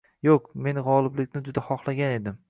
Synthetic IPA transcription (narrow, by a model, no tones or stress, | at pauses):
joqme̞nʁɒlˠɪblɪkʲnɪd͡ʒʊd̪ahɒχlˠaɡʲane̞d̪ɪm